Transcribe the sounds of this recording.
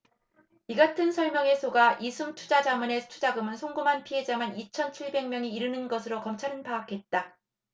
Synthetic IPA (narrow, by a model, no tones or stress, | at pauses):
iɡatʰɯnsʰʌɭmjʌŋe̞sʰoɡaʔisʰumtʰu̥d͡ʑad͡ʑamɯne̞tʰu̥d͡ʑaɡɯmɯnsʰoŋɡumɦanpʰiɦe̞d͡ʑamanit͡ɕʰʌnt͡ɕʰiɭbe̞ŋmjʌŋiiɾɯnɯnɡʌsʰɯɾokʌmt͡ɕʰaɾɯnpaːkʰe̞t̚t͈a